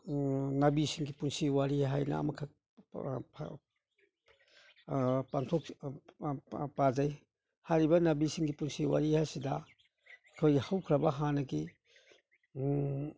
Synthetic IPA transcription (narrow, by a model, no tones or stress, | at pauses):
nabisiŋɡipunsiwaɾiɦajna̰a̰makʰa | pʰ | paŋtʰɔk̚ | pad͡ʒaj | hajɾibɐnabisiŋɡipunsiwa̰ɾihajsida | kʰojhawkʰɾabaɦanɐɡi